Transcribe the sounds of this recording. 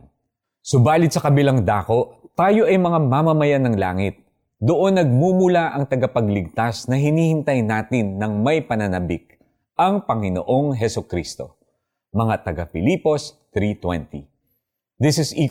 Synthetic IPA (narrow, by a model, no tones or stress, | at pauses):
sʊbaːlɪt̪̚sɐkɐbɪlaŋd̪aːko̞ʔt̪aːjo̞ʔɐjmɐŋamamɐmɐjanɐŋla̰ːŋɪt̪̚ | d̪oʔo̞nːɐɡ̚mumʊlaʔɐŋt̪ɐɡɐpɐɡlɪɡ̚t̪asnɐɦɪniːhɪnt̪ɐjnaːt̪ɪnːɐŋmɐjpɐnɐnɐbɪk̚ | ʔɐŋpɐŋɪno̰ʔo̞ŋɦɛsʊkɾist̪o̞̰ | mɐŋat̪ɐɡafɪliːpo̞st̪ɾit̪wɛ̰nt̪ḭ | d̪ɪsɪsi